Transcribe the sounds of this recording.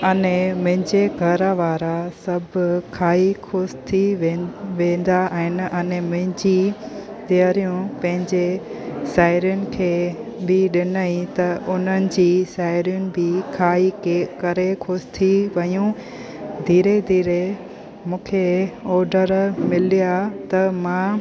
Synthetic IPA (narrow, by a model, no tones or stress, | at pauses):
ɐnẽmʊ̃ɦɪ̃ɲd͡ʑeɡʱɐɾʋaːɾasɐbʱkʰaːikʰoːst̪ʰiʋeʋẽːn̆d̪aːɦɪnɪ̆ʔɐnemʊ̃ɦɪ̃ɲd͡ʑi | t̪iəɾijũpɐ̃ɦɪ̃ɲd͡ʑesaːɪɾjʊnɪ̆kʰeːbɪɗɪnəĩt̪ɐʔʊn̤ənɪ̆d͡ʑiːsaːɪɾijʊnɪ̆bɪkʰaːikkɐɾekʰoːst̪ʰiʋɐjũ | d̪ʱiːɾed̪ʱiːɾe | mũːkʰeɔːɾɖəɾmɪlijat̪ɐmãː